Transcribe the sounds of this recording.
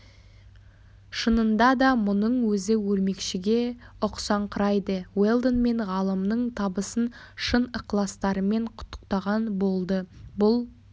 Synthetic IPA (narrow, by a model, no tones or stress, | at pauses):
ʃənənd̪ɑd̪ɑmʊnəɴwɵzɪwɵɾme̞kʃɪɡʲe̞ʊqsɑɴqʰəɾɑjd̪əwelˠd̪onme̞ɴʁɑlˠəmnəɴt̪ʰɑbəsən | ʃənəqlˠɑst̪ɑɾəme̞ɴqʰʊ̥t̪ːə̥qt̪ɑʁɑnbo̞lˠd̪əbʊlˠ